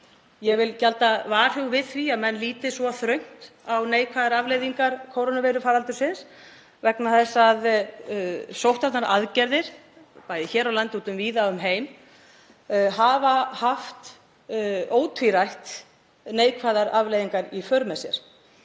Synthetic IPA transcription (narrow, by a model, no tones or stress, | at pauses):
jɛɣvɪlcalt̪avaːr̥ʏwvɪðθviaðmɛnːliːt̪ɪsvɔθɾœɥŋ̥t̪awneːjkʰvaðaɾavlejðiŋkaɾ̥kʰowɾonaveːɾʏfaːɾalt̪ʏɾ̥sɪns | vɛknaθɛsːað | sowht̪aɾ̥t̪naɾʔaðcɛɾðɪɾ̥ | paːjðɪçɛːɾawlant̪uːt̪ʏmviːðaʏmɦeːjm | ɦavahaft̪ | oːwt̪ʰviɾajht̪ | neːjkʰvaðaɾavlejðiŋkaɾifœɾmɛsjɛ̰ɾ̥